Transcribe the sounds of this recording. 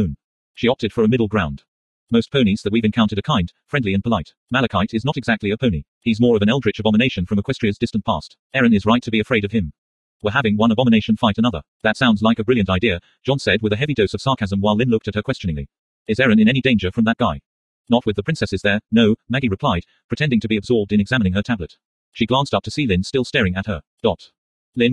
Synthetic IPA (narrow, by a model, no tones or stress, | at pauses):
n | ʃiɑp̚tɨd̥fə˞ɨmɪɾˡl̩ˠɡɹãʊ̃nd | moʊs̚pʰõʊ̃nizðɨt̚wivɨ̃nkʰãʊ̃ntɨɾɨkʰãɪ̃nd̥fɹɛ̃ndˡliɨ̃npʰəlaɪt̚ | mælˠɨkʰaɪɾɨznəɾɨɡzæk̚tˡliɨpʰõʊni | iɨzmɔɹʌvɨ̃ñɛlˠdɹɨt͡ʃɨbɑməneɪʃɨ̃nfɹʌ̃məkʰw̥ɛstɹ̥iɨzdɪstn̩pʰɑɹst | ɛɹɨ̃nɨzɹaɪtʰɨbiɨfɹeɪɾʌv̥ɨ̃m | wəɦævɪ̃ŋwʌ̃nəbɑməneɪʃɨ̃n̩faɪɾɨnʌðə̰˞ | ðɨtsãʊ̃ndzlaɪkɨbɹɪlˠjɨ̃ntaɪdiɨ̥ | d͡ʒ̥ɑ̃nsɛd̚wɨðɨɦɛvidoʊsʌv̥sɑɹkʰæzə̃mwaɪlɪ̃nlʊk̚tɨt̚hə˞kʰw̥ɛst͡ʃɨnɪ̃ŋli | ɨzɛɹɨ̃nɨ̃ñɛnidẽɪ̃nd͡ʒə˞fɹʌ̃mðət̚ɡ̥aɪ | nət̚wɨðəpʰɹɪ̃nsɛsɨzðə˞noʊmæɡiɹɨpʰl̥aɪd̚pʰɹ̥ɨtʰɛ̃ndɪ̃ŋtʰɨbiɨbzɔɹb̚dɨ̃nɨɡzæmɨnɪ̃ŋə˞tʰæblɨt̚ | ʃiɡlæ̃nstʌp̚tʰɨsilɪ̃nstɪlˠstɛɹɪ̃ŋɨt̚ə˞ | d̥ɑt | lɪ̃n